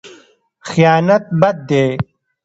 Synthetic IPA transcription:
xjaːnɐt̪̚bɐd̪̚ːeː

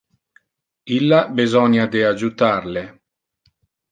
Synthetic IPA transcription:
ilːabizɔnjad̪ead͡ʒut̪arle

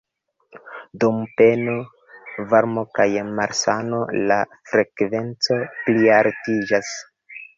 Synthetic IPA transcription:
dumpe̞no | vaɾmo̞kajmaɾsano̞lafɾe̞kve̞nt͡so̞pliaɾtid͡ʒas

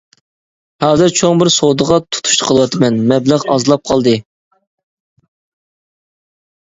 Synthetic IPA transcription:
hɑːzɨɾt͡ʃʰoŋbɪɾsod̪əʁɑt̪ʰu̥t̪ʰu̥ʃt̪ɨ̥qʰəlˠəwɑt̪ʰɨmɛnmɛbləʁɑzlˠɑp̚qʰɑlˠd̪ɨ

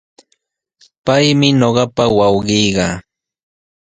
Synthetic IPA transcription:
pajmɪɲoɢɑpawawɢɪjɢɑ

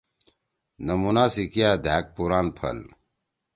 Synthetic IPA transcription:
nɐmunaːsikijaːd̪ʱaːk̚puɾaːnpʰɐ̰l

